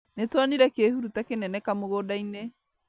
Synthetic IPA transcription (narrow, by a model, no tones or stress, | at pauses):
netwaniɾɛkehuɾutakenɛnɛkamoɣoːdaine